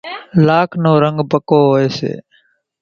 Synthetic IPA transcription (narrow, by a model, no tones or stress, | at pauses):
laːkʰnoːɾəŋɡbəkoːɦoːeːsḛː